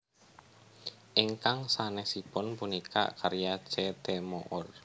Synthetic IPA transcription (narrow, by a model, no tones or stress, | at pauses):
ʔiŋkaŋsanɛsipʊnpunika̰kaɾjat͡ʃɛt̪ɛmoʔɔr